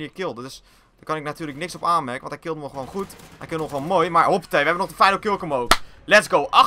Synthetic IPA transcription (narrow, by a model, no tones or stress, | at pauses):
niːkɪlˠdədʏs | d̥əkɑnɪk̚natyːrləknɪksɔpaːnmɛrkəʋɔnthɛjkɪlˠtənɔχəʋoːnχuthɛjkɪlˠnɔxʋonmoːjmaɹhopə̥tejʋəɦɛbənɔχdəfɛjnəkølˠkəmoːvəlɛtsɡowʔa